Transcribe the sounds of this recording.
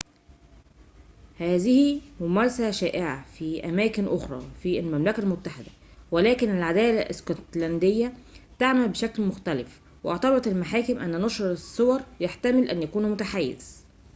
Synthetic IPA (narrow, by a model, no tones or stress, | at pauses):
hæːzɪhimʊmæɾˤɑsæʃæːʔeʕafiʔæmæːkɪnʔoxɾˤɑ̰ːfilmæmlækælmʊt̪ːaħɪd̪æ | wælæːkɪnælʕad̪æːlæʔɪskɑt̪lænd̪ejːæt̪aʕmælbeʃæklmʊxt̪ælɪf | weʔɑʕt̪ɑbɑt̪elmaħaːkɪmʔænːænɑʃɾɑesˤːowɑɾˤjaħt̪æmɪlʔænjækuːnmʊt̪aħajːḛz̥